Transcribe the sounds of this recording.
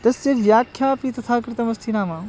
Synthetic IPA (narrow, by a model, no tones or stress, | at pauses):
t̪ɐsjɐʋjaːkʰjaːpiːt̪ɐt̪ʰaːkɾɪt̪ɐmɐst̪ʰiːnaːmãː